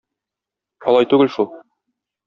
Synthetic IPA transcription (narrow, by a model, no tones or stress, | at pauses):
ɒlˠɑjt̪ʉɡɘlʃulˠ